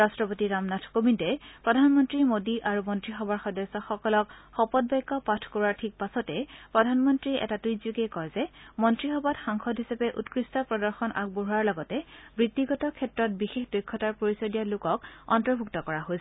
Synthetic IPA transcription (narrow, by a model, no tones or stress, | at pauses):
ɹastɹɔpotiɹamnatʰkobintɛpɹɔdʱanmɔntɹimodiʔaɹumɔntɹixɔbaɹxɔdɔsɔxɔkɔlɔkxɔpɔd̚bɔjkːɔpatʰkɔɹaɹtʰik̚pasɔtɛpɹɔdʱanmɔntɹiʔɛ̰tatujzjukekɔɹzɛmɔntɹixɔbatxaŋxʰɔdɦisapɛʔutkɹistɔpɹɔdɔɹxɔnʔa̰k̚boɦuaɹlɔɡɔtɛbɹitːiɡɔtɔkʰɛtɹɔt̚bixexdojkʰːɔtaɹpoɹisɔdijalʊkɔkɔ̰ntɔɹbʱuktɔkɔɹaɦojsɛ